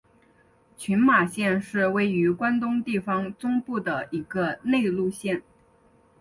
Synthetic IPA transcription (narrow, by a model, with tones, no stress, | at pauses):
t͡ɕʰy˧˥nma˨˩ɕjɛ˥˧nʂɻ̩˥˧we˥˩ɪy˧˥kwa˥nt̪ʊ˥ŋt̪i˥˩fɑ˧˩ŋt͡sʊ˥ŋpu˥˩d̪ə˩i˧˥ɡə˧ne˥˧ɪlu˥˧ɕjɛ˥˩n